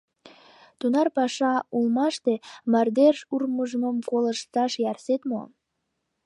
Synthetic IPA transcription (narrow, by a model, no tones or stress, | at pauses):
t̪unɑrpɑʃɑulmɑʃt̪emɑrd̪erʃurməʒəməmkoləʃt̪ɑʃjærset̪mo̰